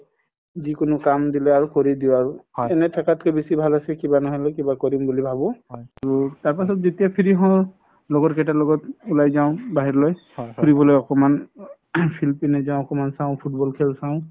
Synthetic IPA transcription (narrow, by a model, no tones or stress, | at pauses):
zikʊnʊkamdilɛaɹukoɹidiʊaɹuɛnɛtʰakatkɛbesibʱalasɛkibanɔɦɔlɛkibakɔɹimbulibʱabɔaɹutaɹpasɔtzetiapʰiɹiɦɔ̃ | lɔɡɔtkɛtalɔɡɔtulajzaʊ̃baɦiɹloj | puɹibɔlojɔkɔman | pʰilpinɛzãʊ̃ɔkɔmansãʊ̃pʰut̚bɔlkʰɛlsaʊ̃